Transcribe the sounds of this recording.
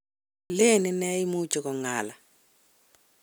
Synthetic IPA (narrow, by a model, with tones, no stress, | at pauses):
le˦˨ni˦nɛ˦i˦mu˦t͡ʃʼɔ˨kɔ˨ŋaː˨la˨